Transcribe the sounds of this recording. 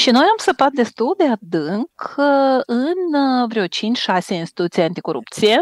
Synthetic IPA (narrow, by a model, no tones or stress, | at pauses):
ʃinojamsəpat̪̚d̪e̞st̪uld̪e̞ad̪ɨŋk | ɨnvɾeo̞t͡ʃint͡ʃʃase̞inst̪i̥t̪ut̪sijeant̪i̥ko̞ɾṵp̚t̪sije